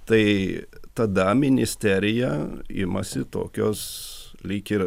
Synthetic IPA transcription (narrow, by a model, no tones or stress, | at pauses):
t̪ɐɪt̪ɐd̪ɐmʲɪnʲɪsʲt̪ʲæɾʲɪjɛɪ̰mɐ̰sʲɪt̪o̰ːkʲoːslʲikʲɪɾ